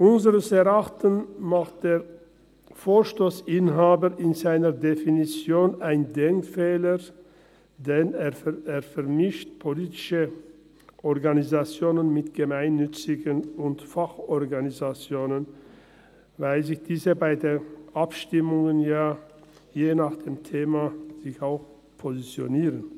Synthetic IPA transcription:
ʔʊnzəʁəsɛʁaχtənmaχt̚d̥eːɐ | foːʃtoːsɪnɦaːbəʔɪnzaɪnəʁdefinit͡sjoːnaɪndɛŋkfɛːlə | dɛneːɐeːɐfɛʁmɪʃtpʰoliːtɪ̥ʃə | ʔɔʁɡanizat͡sjoːnənmɪtɡ̥əmaɪnːʏt͡sɪɡənʊntfaχɔʁɡanizat͡sjoːnən | vaɪlzɪçd̥iːzəbaɪdeːʔapʃtɪmʊŋənjaː | jeːnaːχd̥eːmtʰeːmaz̥ɪçaʊx | pʰozit͡sjo̰niːʁən

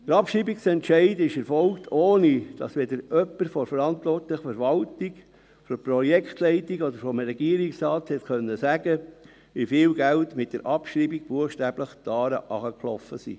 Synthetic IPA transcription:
d̥əɾɑpʃɾiːbiksɛntʃɛɪdɪʃɛɾfɔlktʰoːnid̥ɑsʋɛdəɾʔœpːəɾfɔɾfəɾɑntʋɔrtləχfəɾʋɑltiɡ | fɔɾprɔjɛkχtlɛɪtiɡod̪əɾfɔmɾɛɡ̥iːəɾiksɾɑːthɛtkʰœnːəsæɡə | ʋifɪːlɡæltmɪt̚d̥əɾʔɑpʃɾiːbiɡ̥̚b̥uəχʃtæːb̥ləχtɑːɾəʔɑχəklɔ̰fəsḭ

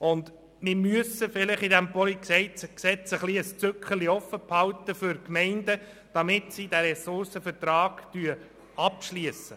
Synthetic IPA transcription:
ʊnd̪ | mɪmyəsəfɪlɪχidæmpɔliksɛɪt͡sksɛt͡səχliəst͡sʏkχəliɔfəphɑlt̪əfʏɾkmɛɪndə | d̥ɑmɪtsid̥æɾɛsʊɾsəfəɾtɾɑːɡ̥tyə | ɑpʃliəsə

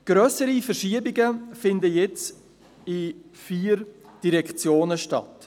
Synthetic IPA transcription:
ɡ̥ɾœsəɾifɛɾʃiəbɪɡəfɪndəjɛt͡s | ɪfiːɾd̥iɾɛkt͡sjoːnəʃtɑ̰t

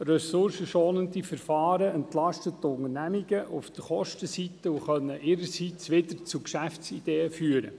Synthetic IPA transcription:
rœsʊɾsəʃoːnəndifəɾfɑːɾəɛntlɑʃtət̪ːʊŋənæmiɡ̥əʔufd̥əχɔʃtəsit̪əuχœnːəʔɪɾəsit͡sʋɪd̪əɾt͡sukʃæftst͡sid̥eːəfyːəɾə̰

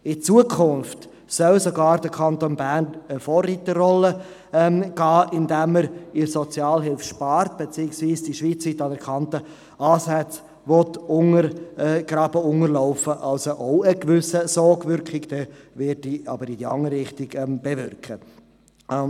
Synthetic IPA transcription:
ɪt͡suəkʰʊnft | sœlsɔɡɑːɾd̥əkʰɑnt̪onbænəfɔːrːit̪ərɔlːə | ɛmɡ̥ɑːʔɪndæməɾɪsɔt͡sjɑːlɦɪlfʃpɑɾt̪̚b̥et͡siːɪksviːsd̥iʃʋiːt͡sʋit̪ɑdəɾkʰχɑnt̪ə | ʔɑːsæt͡s | ʋɔtʊŋəɾɡ̥ɾɑbəʊŋərlɔʊfəʔɑlsoʔɔʊəkvʏsəsɔːɡvʏɾkχɪɡd̥̪ɛvɪdiɑ̰bəɾid̥iɑ̰ŋəɾːɪχtɪɡɛmb̥evʏrkχə

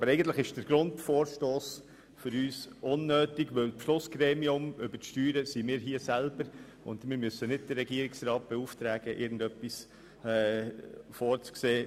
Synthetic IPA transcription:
bəɾɛɡən̩t̪ləχɪʃd̥əɾɡ̥ɾʊntfɔːɾʃtoːs | fʏɾyːsʔʊnːøːtiɡʋølpʃlʊsɡ̥ɾeːmiʊmʏbətʃtyːɾəsimɪːɾɦiəsælbəɾ | ʊ̰ndmɪːɾmysːənɪd̚dərɛɡiəɾɪksɾɑːt̚b̥ɛuːftɾæːɡ̥əʔɪ̰ɾɡn̩dœpːis | ɛ | fɔːɾt͡skseː

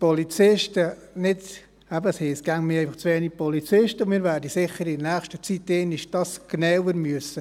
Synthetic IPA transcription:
polit͡sɪʃtə | nɪd | ɛbəshɛsɡ̥æŋmɪɛɪfɑχt͡sʋeːnipɔlit͡sɪʃtəʊmɪːɾvæːɾdəsɪχəɾɪdnæːχʃtət͡sitːɛːniʃd̥ɑsɡ̥nawəɾmyəsə

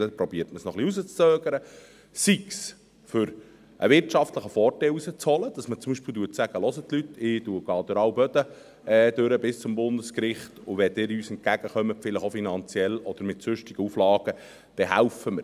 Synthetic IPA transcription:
əpɾɔbiːətməsnɔχliusət͡st͡søːɡ̥əɾə | siks | fʏɾ | ʔə̰ʋɪɾtʃɑft̪ləχəfɔːrtɛɪlusət͡shɔləd̥ɑsmət͡sʊmbiʃpilduətsæɡ̥əlɔsəttːlyt̪ːʰɪd̥uəɡ̥ɑːd̥̪øɾɑwbœd̪ə | ɛd̥̪øɾəbɪst͡sʊmbʊndəskɾɪχtʊʋɛd̪ɪːɾyːsɛnt̚ɡ̥æɡ̥əχœmətfɪləχofinɑnt͡sjɛlɔd̥̪əɾmɪtsʏʃtɪɡ̥əuflɑːɡ̥ə | d̥ɛɦæʊfəmə

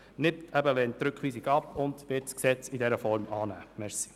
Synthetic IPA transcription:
nɪptʰæbəlɛːnttːɾɵkχʋiːsiɡɑpʊndʋɪtsksɛt͡sidɛɾəfɔɾmɑːnæːmɛɾsi̥

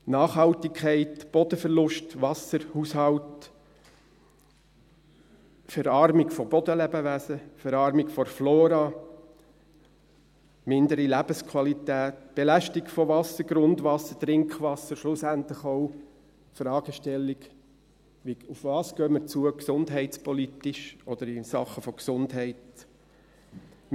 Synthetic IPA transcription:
nɑːχhɑltɪkʰːɛɪtb̥ɔd̥̪əfɛɾlʊʃtʋɑsəɾhushɑlt | fɛɾɑːɾmikfɔb̥ɔdəlɛbəʋæːsəfɛɾɑːɾmikfɔɾfloːɾɑ | mɪndəɾilæb̥əskʰwɑlitæːtb̥elæʃtikfɔʋɑsːəɾɡɾʊndʋɑsːət̪ɾɪŋkχʋɑsːəɾʃlusænt̪lɪχɔʊ | fɾɑːɡ̥əʃtɛlːiɡ | ʋiufvɑːskœːməɾt͡suəksʊndɦɛɪtt͡spɔlit̪ɪʃɔd̪əɾɪsɑ̰χəfɔksʊndɦɛɪt

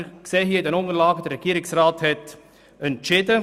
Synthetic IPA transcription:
kseːɦiəɪd̪ɛnʊŋəɾlaːɡəd̪ərːɛɡ̥iəɾɪksraːthɛt | ɛnt͡ʃɪdə

